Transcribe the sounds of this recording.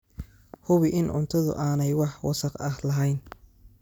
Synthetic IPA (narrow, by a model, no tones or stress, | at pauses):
hʊβɪʔɪnʕʊ̰nt̪ʰɐðʊ̰ʔaːnɛjwɑħwɑsɐqɐhlɐɦɛjn